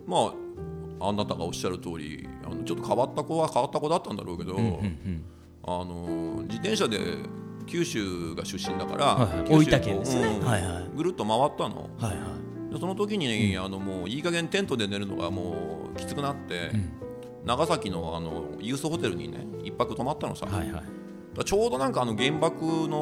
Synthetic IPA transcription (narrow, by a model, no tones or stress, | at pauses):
ma | ãnːat̪aɡao̞ɕːaɾɯ̟t̪o̞ːɾʲḭa̰no̞t͡ɕo̞t̪ːokaβat̪ːakoβakaβat̪ːako̞d̪at̪ːãnd̪a̰ɾʔo̞ːke̞d̪o̞ | ano̞d͡ʑit̪ẽ̞ɰ̃ɕad̪e̞̰ | kʲɨːɕɨːɡaɕɨɕːĩnd̪aka̰ɾakʲːiakeɯ̃ːaaɡɯ̟ɾɯ̟p̪ːomaβat̪ːano̞̰ha | d̪eso̞not̪o̞k̬ʲiɲ̟ineano̞moːiːkaɡẽ̞nt̪ẽ̞nt̪o̞d̪e̞ne̞ɾɯ̟no̞̰ɡa̰mo̰ː | kʲi̥t͡sɨ̥kɯ̟nat̪ːe̞ | naɡasakʲino̞a̰no̞̰jɯ̟ːsoho̞t̪e̞ɾɯ̟ɲ̟ḭne̞̰ipːakɯ̟t̪o̞mat̪ːanosa̰ | d̪̥at͡ɕo̞ːd̪o̞nãŋkaːno̞ɡẽ̞mbakɯ̟no̞